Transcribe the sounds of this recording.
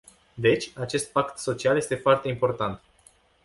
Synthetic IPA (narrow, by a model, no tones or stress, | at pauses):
d̪e̞t͡ʃʲat͡ʃe̞st̪̚pakt̪so̞t͡ʃialje̞st̪e̞foart̪e̞impo̞rt̪ant̪